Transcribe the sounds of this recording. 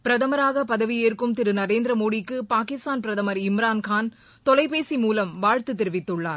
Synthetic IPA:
pɪɾɐðɐmɐɾaːɣɐpɐðɐʋijeːɾkɯmt̪ɪɾɯnɐɾeːnd̪ɾɐmoːɽɪkːɯpaːkɪst̪aːnpɪɾɐðɐmɐɾɪmɪɾaːnkaːn | t̪ɔlɐɪpeːsimuːlɐmʋaːɻt̪ɯt̪ːɛɾɯʋɪt̪ːɯɭːa̰ːɾ

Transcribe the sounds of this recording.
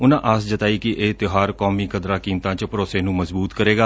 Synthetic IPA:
ʊnãːʔasd͡ʒət̪aːiːkɪʔeːt̪ɪɦaːɾkɔːmiːkəd̪ɾãːkiːmt̪ãːt͡ʃpəɾoːseːnũːməzbuːt̪kəɾeːɡaː

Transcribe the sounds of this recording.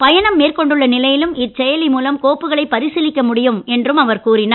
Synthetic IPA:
pɐjɐnɐmːeːrkɔɳɖɯɭːɐnɪlɐjɪlɯmɪt͡ʃɛjɐlɪmuːlɐmkoːpːɯɣɐɭɐɪpːɐɾɪsɪlɪkːɐmʊɽɪjɯmɛndrɯmɐʋɐɾkuːrɪnaː

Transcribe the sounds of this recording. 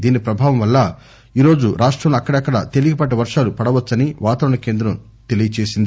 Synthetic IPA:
d̪iːnipɾɐbʱaːʋɐmʋɐlːɐ | iːɾo̞ːd͡ʒuɾʔaːʂʈɾɐmɐkːɐɽɐɐkːɐɽɐt̪eliɡipɐʈ̬ːɐʋɐɾʂaːlupɐɽɐʋɐt͡ʃːɐniʋaːt̪ɐɾɐnɐke̞ːnd̪ɾɐm | t̪e̞lijɐt͡ʃeːsind̪i

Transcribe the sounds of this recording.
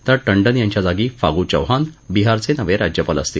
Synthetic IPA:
t̪əɾʈəɳɖənjãɲt͡ɕjad͡zaɡiːfa̰ɡut͡ɕə̰wɦãnbiɦaɾt͡senəʋeɾad͡ʑjəpələ̰st̪iː

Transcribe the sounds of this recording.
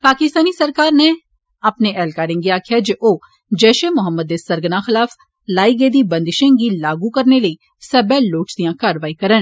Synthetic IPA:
paːkɪst̪aːnisəɾkaːɾne | apneʔɛːlkaːɾẽːŋɡiaːkʰjad͡ʒeʔoː | d͡ʒɛːʃeːmʊɦəmːəd̪̚ːeːsəɾɡənaːxɪlaːf | laːiɡeːd̪iːbə̃nd̪ɪʃẽŋɡilaːɡukəɾneləiː | səbɛːlːoːt͡ʃd̪ijãːkaːɾʋaːikəɾən

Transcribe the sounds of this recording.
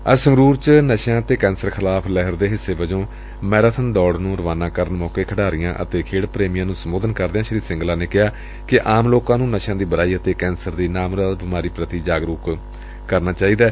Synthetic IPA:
əsəŋɡɾuːɾt͡ʃnəʃãːət̪eːkɛ̃ːnsəɾkʰɪlaːpʰlɛɦəɾd̪eːɦɪsːeːʋəd͡ʒõː | mɛːɾaːt̪ʰənd̪ɔːɽnũːɾəʋaːnãːkəɾənmɔːkeːkʰəɽaːɾɪjã̰ːʔə̰t̪eːkʰeːɽpɾeːmijãːnũːsəmoːd̪ənkəɾd̪eːãːʃəɾiːd̪sɪ̃ŋɡlaːneːkɪɦaː | kɪʔaːmloːkãːnũːnəʃãːd̪iːbəɾaːiːət̪eːkɛːnsəɾd̪iːnaːmɾaːd̪bɪmaːɾiːpɾət̪iːd͡ʒaːɡɾuːk | kəɾnaːt͡ʃaːiːd̪aː

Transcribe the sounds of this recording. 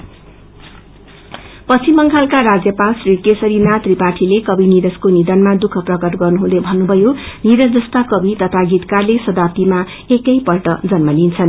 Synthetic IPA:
pʌsimʌŋkʰalkaɾad͡zjʌpalsrikesʌɾinat̪ripaʈʰilekʌbʱiniɾʌskonid̪ʌnmad̪ukʰʌprʌkʌrɡʌrnuɦũd̪ebʱʌnːubʱʌjoniɾʌsd͡zʌst̪akʌbʱit̪ʌt̪ʰaɡit̪karlesʌd̪ap̚t̪ima | ekʌjpʌʈʌd͡zʌnmʌlint͡sʰʌn

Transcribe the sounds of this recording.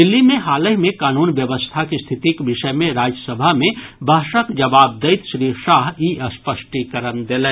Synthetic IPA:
d̪ɪlːimẽɦaːləɦmẽkaːnuːnʋjəʋəst̪ʰakist̪ʰɪt̪ikbɪʃəjmẽɾaːd͡ʒəsəbʱamẽbʱaːʃəkd͡ʒɐbaːb̚d̪əɪt̪ʃɾiːʃaːɦiʔəspəsʈikəɾənd̪eleː

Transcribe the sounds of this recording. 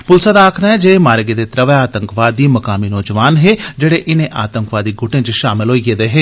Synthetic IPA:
pʊlsaːd̪aːkʰd̪aːɦɛːd͡ʒeemaːɾɡeːd̪eːt̪ɾəʋeaːt̪əŋkʋaːd̪iːməkaːmiːnɔːd͡ʒəʋaːnɦeːd͡ʒeːɽeːʔɪnẽːʔaːt̪əŋkʋaːd̪iːɡʱʊʈẽːt͡ʃʃaːmɪlɦoːiɡed̪eːɦeː

